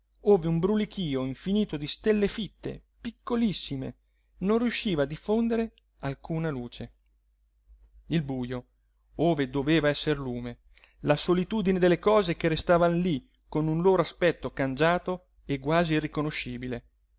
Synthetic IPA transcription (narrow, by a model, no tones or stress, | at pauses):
oːveumbɾulik̟iːoiɱfiniːt̪od̪ist̪elːefit̪ːḛpikʰːolisːimḛ | nõnrjuʃːiːvaːd̪ifond̪eɾe | alkuːnaluːt͡ʃe | ilbuːjo | oːved̪oveːvaɛsːerluːme | lasolit̪uːd̪ined̪elːekɔːzekerest̪aːvanli | konunloːɾoaspɛt̪ːokand͡ʒaːt̪o | eɡwaːzirːikonoʃːiːbile